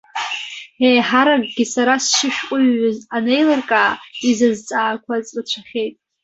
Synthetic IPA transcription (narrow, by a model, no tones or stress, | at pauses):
ejħaɾaɡɡʲisaɾasʃɪʃᶣkʷʼʊɥːazane̞jlarkʼaːizɨzt͡sʼaːkʷʰat͡sʼat͡ɕʷʰaχʲejtʼ